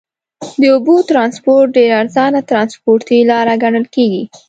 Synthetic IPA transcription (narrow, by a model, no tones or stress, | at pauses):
d̪əʊbot̪ɾɑnspoɾʈ̚ɖeɾaɾzɑnat̪ɾɑnspoɾt̪ilɑɾaɡaɳəlkeɡi